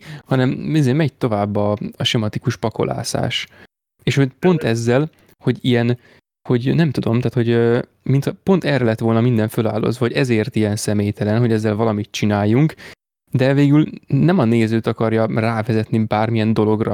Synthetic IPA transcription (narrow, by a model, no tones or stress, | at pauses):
hɒnɛmizeːmɛɟt̪o̞vaːbːɒɒʃɛmɒt̪ikuʃpɒko̞̰lʔa̰ːsa̰ːʃ | eːʃho̞ɟpo̞nt̪ɛzːɛl | ho̞ɟijɛn | ho̞ɟnɛmt̪ud̪o̞mt̪aːt̪ho̞ɟø | mint̪hɒpo̞nt̪ɛːrɛlɛt̪ʋo̞lnɒmind̪ɛɱføla̰ːlːo̰zvɒho̞ɟɛzeːrt̪ijɛnsɛmeːjt̪ʰɛlɛnɦo̞ɟɛzːɛlvɒlɒmit̪̚t͡ʃinaːjːuŋk | d̪ɛveːɡylnɛmɒneːzøːt̪ɒkɒrjɒraːvɛzɛt̪nibaːrmijɛnd̪o̞lo̞ɡrɒ̰